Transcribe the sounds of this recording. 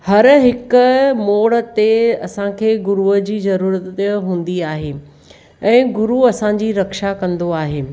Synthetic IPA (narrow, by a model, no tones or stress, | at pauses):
hɐɾɦɪkʊmoːɽə̆t̪eɐsãkʰeːɡʊɾuəd͡ʑiːzɐɾuːɾət̪ɦũːn̆d̪iaːɦeː | ɛ̃ːɡʊɾuɐsãd͡ʑiːɾɐkʃakɐ̃nd̪oaːɦeː